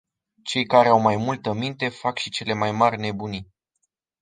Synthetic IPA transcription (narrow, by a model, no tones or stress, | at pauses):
t͡ʃe̞jkaɾe̞awmajmult̪əmint̪e̞fakʃit͡ʃe̞le̞majmarʲne̞buni